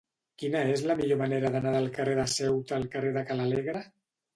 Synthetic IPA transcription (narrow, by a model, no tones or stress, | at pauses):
kinaezlamiʎomaneɾaðanaðəlˠkareðasɛwt̪alˠkareðakalaleɣɾa